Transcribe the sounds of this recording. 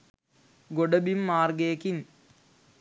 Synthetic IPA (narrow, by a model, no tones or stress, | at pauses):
ɡoɖɐbimːaːrɡeːkin